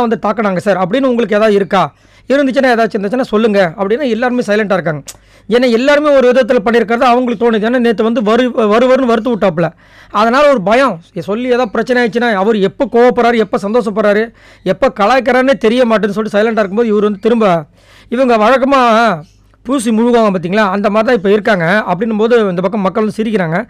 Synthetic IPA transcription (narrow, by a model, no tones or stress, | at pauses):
ʋɐnd̪ɯt̪aːkːɐɽaːŋɡɐsaːɾɐpːɐɽɪnːɐʊŋɡɐɭɯk̬ːeːðaːðɯɪɾɯkːaː | ɪɾɯnd̪ɯt͡ʃːɯnːaːeːðaːt͡ʃːɯɾɯnd̪t͡ʃːɯnːaːsɔlːɯŋɡɐɐpːɽɪnːaːɛlːaːɾɯmeːsɐɪlɐɳʈaːɪɾɯkːaːŋɡɐ | d͡ʒɛnːɐɛlːaːɾɯmeːɔɾɯʋɪðɐt̪̬ːɪlpɐɳːɪɾɯk̬ːɐɾɐðãːɐʋɐŋɡɐɭɯkːɯt̪oːniðɯeːnːaːniːt̪̬ːɯʋɐnd̪ɯʋɐɾɯʋɐɾɯʋɐɾɯnɯʋɐɾɯt̪̬ːɯʋʊʈːaːp̬ːɯɭɐ | ɐðɐnaːlɐɔɾɯbɐjɐ̃sɔlːɪeːðãːpɪɾɐt͡ʃːɐnɛaːjt͡ʃːɯnːaːɐʋɐɾɯɛpːokoːʋɐpːɐɾaːɾɯɛpːosɐnd̪oːʂɐpːɐɾaːɾɯ | ɛpːokɐɭaːkːɐɾaːneːt̪ɛɾɪjɐmaːʈ̬ːɯ̃nːɯs̬ɔlːʈːisɐɪlɐɳʈaːɪɾɯkːɯmpoːðɯɪʋɐɾɯʋɐnd̪ɯt̪ɪɾɯmbɐ | ɪʋɐŋɡɐʋɐɻɐkːɐmaː | puːs̬imʊɻʊɣaːɣɐ̃mpaːt̪̬iːŋɡɐlaːɐnd̪ɐmaːɾɪt̪ãːɪpːoːɪɾɯkːaːŋɡɐɐpːɐɽɪnːɯmpoːðɯɪnd̪ɐpɐkːɐ̃mːɐkːɐɭʋɐnɯsɪɾɪk̬ːɪɾaːŋɡɐ